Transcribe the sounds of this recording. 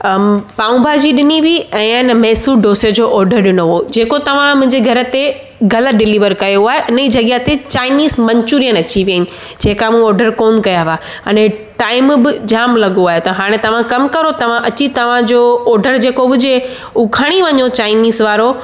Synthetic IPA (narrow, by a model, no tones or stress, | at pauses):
paːũbʱaːd͡ʑiɗɪniʋiɛ̃ːnmɛːsuɖoːsəd͡ʑoʔɔːɾɖəɾɗɪnoʋod͡ʑeːkot̪ɐʋ̤ãmʊ̃ɦɪ̃ɲd͡ʑeɡʱɐɾə̆t̪e | ɡɐlət̪ɖɪliːʋəɾkɐjoaːɦeʔɪniːd͡ʑɐɡjat̪et͡ɕaːɪniːzmɐ̃ɲt͡ɕuːɾijənɐt͡ɕiʋijənɪ̆ | d͡ʑeːkamũɔːɾɖəɾkoːnkɐjaʋa | ɐnẽʈaːɪmbɪd͡ʑaːmlɐɠoaːɦjot̪ɐɦaːɽ̃ẽt̪ɐʋ̤ãkɐmkɐɾot̪ɐʋ̤ãʔɐt͡ɕit̪ɐʋ̤ãd͡ʑoːɔːɾɖəɾd͡ʑeːkobʱʊd͡ʑe | uʊkʰɐɽ̃iʋɐɲot͡ɕaːɪniːzʋaːɾo